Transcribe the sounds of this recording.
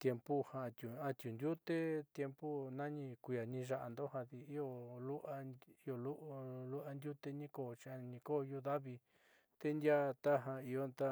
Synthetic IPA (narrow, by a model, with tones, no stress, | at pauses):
t̪je˧mpu˦ha˧˨˧t̪ʲu˨a˧t̪ʲju˨nd̪ʲju˦t̪e˦t̪je˧mpu˦nã˦ɲĩ˧kʷu˧ja˨nĩ˧ʒa˧ʔa˧nd̪o˦ha˧ði˧i˦o˧lu˦ʔa˧i˦o˧lu˦ʔlu˦ʔa˧nd̪ʲju˦t̪e˧nĩ˦ko˧˨t͡ʃa˧ɲĩ˧ko˦˨˧ju˧ða˦βi˧ | t̪e˦nd̪ʲja˦t̪a˦ɦa˧i˧jo˦nt̪a˦